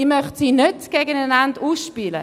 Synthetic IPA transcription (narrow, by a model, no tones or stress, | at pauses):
iːmœχtsiːnøtɡ̥eɡənananduːsʃpiːlə̰